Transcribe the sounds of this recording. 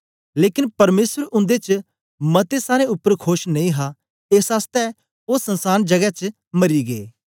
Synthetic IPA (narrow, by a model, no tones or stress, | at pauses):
leːkɪnpɐɾmeːsəɾʊ̃nd̪et͡ʃ | mɐt̪esaːɾeʊpːəɾkʰoːʃnɐĩɦa | eːsaːst̪ɛ | oːsɐ̃nsaːnd͡ʒɐɡɛt͡ʃ | mɐɾiɡḛː